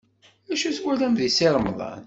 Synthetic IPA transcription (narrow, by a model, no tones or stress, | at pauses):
æʃuswælæmðisɪɾˤmðˤɑ̰n